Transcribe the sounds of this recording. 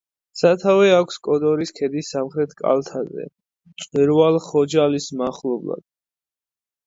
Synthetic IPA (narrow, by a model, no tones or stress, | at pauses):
sat̪ʰavɛakʷʰskʼɔd̪ɔɾiskʰɛd̪isːamχɾɛt̪ʰkʼa̰lt̪ʰazɛ̰ | t͡ʃʼwiɾvalˠχɔd͡ʒalismaχlˠɔbla̰d̪̥